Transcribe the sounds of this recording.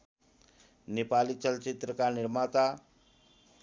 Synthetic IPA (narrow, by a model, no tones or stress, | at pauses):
nepalit͡ʃəlt͡ʃit̪ɾəkaniɾmat̪a